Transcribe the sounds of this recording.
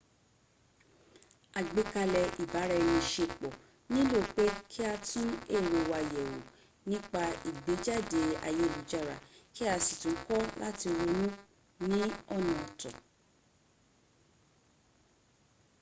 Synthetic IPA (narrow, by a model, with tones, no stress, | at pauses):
a˨ɡ͡be˨˦ka˧lɛ˧ʔi˨ba˨˦ɾa˧nĩ˧ʃe˧k͡pɔ˨ | nĩ˦lo˦˨k͡pe˦kʰi˦a˧tũ˦e˦˨ɾo˧˨wa˧jɛ˨wo̰˨ | nĩ˦k͡pa˧i˨ɡ͡be˨˦d͡ʒa˦˨de˨˦a̰˧˨je˨˧˨lu˨˦d͡ʒa˦˨ɾa˨ki˦a˧si˨tũ˨˦kɔ˦la˦ti˧ɾo˧nũ˦ | nĩ˦ɔ˦˨nã˧ɔ˨tɔ̰̃˨